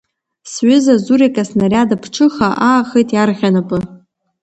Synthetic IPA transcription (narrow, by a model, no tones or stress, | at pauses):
sɥʏzazurekʼasnarʲadapʰʈ͡ʂʰɨχaʔaːχəjtʼjarʁʲanapʼɨ